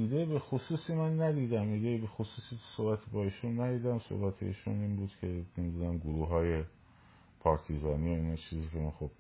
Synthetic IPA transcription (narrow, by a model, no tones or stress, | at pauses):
iːd̪ebexosuːsiːmænːæd̪iːd̪æmiːd̪ebe̞xosuːsiːt̪ʰu̥sohbæt̪ʰibɒiːʃunːæd̪iːd̪æmso̰hbæt̪ʰḛḭːʃṵniːnbuːd̪̥cʰe̞mimd̪ud̪æmɡuɾuːɦɒːje̞ | pʰɒːɾt̪ʰizɒːniːjoiːnɑt͡ʃʰiːziːkʰemænxob̥